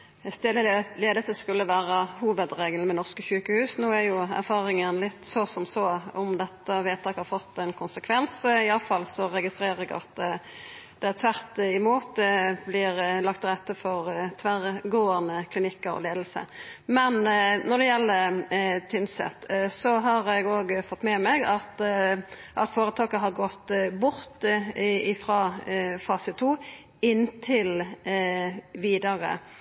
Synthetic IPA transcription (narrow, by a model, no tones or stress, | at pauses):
st̪eːd̪əleːd̪əsəskʉlːəʋæːɾəhuːʋəd̪ɾeːɡəlmɛnɔʁskəçʉːkəhʉːsnoːæɾjʊæ̰ɾfɑːɾɪŋənlɪt̪ːsɔsɔmsɔɔmd̪ɛt̪ːəʋeːt̪ʰɑːkhɑɾfɔt̪ːɛnkʰʊnsəkʰʋɛnsɪɑfɑlːsɔɾɛɡɪst̪ɾeːɾəɾɛɡɑ̰t̪ | d̪̥ɛæɾt̪ʰʋæʁt̪ɪmuːt̪̚d̪ɛblɪɾlɑkt̪ɾɛt̪ːəfɔɾt̪ʰʋæʁɡoːənəkʰlɪnɪkːɑɔ̰leːd̪l̩sə̰mɛnnɔd̪ɛjɛlːət̪ʰʏnsɛ̰t̪ːsɔɦɑɾɛɡoːɡfɔt̪ːmɛmɛɡɑt̪ | ʔɑt̪foːɾət̪ʰɑːkəɦɑɾɡɔt̪ːbʊɾt̪ɪfɾɑːfɑːsət̪ʰːuː | ɪnːt̪ʰɪl | ʋiːd̪ɑɾə̰